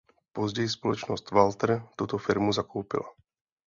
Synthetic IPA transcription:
pɔzɟɛjspɔlɔt͡ʃnɔst̪ʋalt̪ɾt̪uːt̪ɔfiɾmuzakuːpḭla

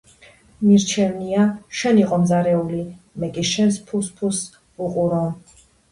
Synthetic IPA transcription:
miɾt͡ʃʰɛvniaʃɛniqʼɔmzaɾɛuli | mɛkʼiʃɛnspʰuspʰus | uqʼuɾɔ

